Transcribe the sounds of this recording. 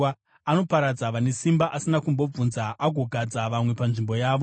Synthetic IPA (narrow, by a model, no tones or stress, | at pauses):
ano̞paɾad͡zaʋane̞simbaʔasinakumbo̞b͡vunzaaɡʱo̞ɡʱad͡zaʋamwe̞panʐimbo̞jaːʋo̞